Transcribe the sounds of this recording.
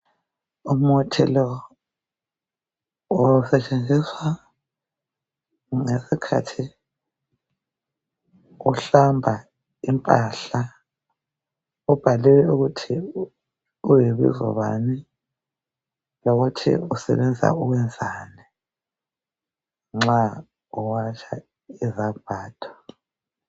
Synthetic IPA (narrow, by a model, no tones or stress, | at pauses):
um̩utʰilɔ | ɔsɛt͡ʃʼend͡zʱiswa | ŋesikʰa̰tʰi | uɬambʱa | impʼaɬa | ub̥ʱaliwɛuɣutʰi | ujiβḭzɔ̰βa̰ni | loɣutʰḭusɛ̰βɛnd͡zʱa̰uɣwɛnd͡zʱaːni | ŋ͡ǁa | uwat͡ʃʰa̰ | izab̥ʱaːd̥ʱɔ̥